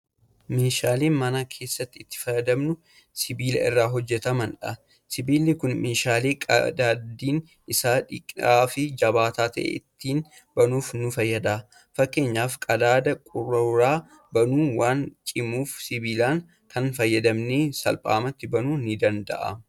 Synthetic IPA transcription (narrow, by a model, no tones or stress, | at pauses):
meːʃaːleːnmɐnakʰe̞ːsːɐt̪ːɪɪt̪ːɪ̥fɐjːɐd̪ɐmnʊ | sɪbiːlɐ̰ɪ̰rːaːɦɔd͡ʒːɛt̪ɐmɐnᶑɐ | sɪbiːlɪkʊnmeːʃaːleːkʼɐ̰d̪aːd̪iːn | ɪsaːᶑɪkʼaːfɪd͡ʒɐbaːt̪aːt̪ɐʔḛːʔɪt̪ːiːn | bɐnuːfnʊfɐjːɐd̪a | fɐkːe̞ːɲːaːfkʼɐd̪aːd̪ɐkʼʊrːɐɾaː | bɐnuːwaːnt͡ʃʼɪmuːfsɪbiːlaːŋ | kʰɐnfɐjːɐd̪ɐmneːsɐ̰lpʼa̰ːmɐt̪ːɪbɐnuːnɪd̪ɐnd̪ɐ̰ʔɐ̰